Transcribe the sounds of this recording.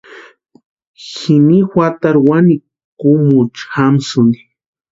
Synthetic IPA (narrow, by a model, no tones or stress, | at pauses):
xinixʷat̪aɾwani | kʊmʊt͡ʃxamsuni̥